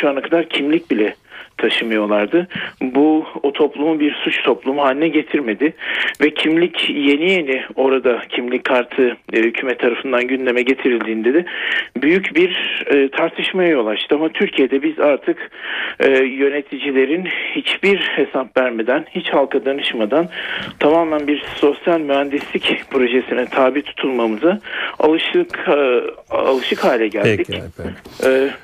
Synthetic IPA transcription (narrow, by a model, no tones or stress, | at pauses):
ʃuanakʰad̪aɾcʰimlʲic̚bilʲɛt̪ʰaʃɯmɯjo̞lˠaɾd̪ɯbuot̪ʰo̞plˠumubiɾsut͡ʃt̪ʰo̞plˠumuɦaːlʲinɛɟe̞t̪ʰiɾme̞d̪ɪvɛcʰimlʲicje̞nijenio̞ɾad̪acʰimlʲickʰːaɾt̪ʰɯhycʰymɛt̪ʰːaɾafɯnd̪anɟynlʲe̞mɛɟe̞t̪ʰiɾilʲd̪iːnd̪e̞d̪ɪbyjycbiɾːt̪ʰaɾt̪ʰɯʃmajajo̞lˠaʃt̪ʰɯamat̪ʰyɾcʰije̞d̪ɛbizaɾt̪ʰɯkː | jø̞ne̞t̪ʰid͡ʒilʲeɾinhit͡ʃbiɾhe̞sapvæɾme̞d̪ænhit͡ʃhalˠkʰad̪anɯʃmad̪ant̪ʰamaːmlænbiɾso̞sjalʲmyɦænd̪islʲicpʰɾo̞ʒesinɛt̪ʰaːbiːt̪ʰu̥t̪ʰulˠmamɯzaa̰lˠɯʃk | a̰lˠɯʃɯkhaːlʲɛɟælʲd̪icː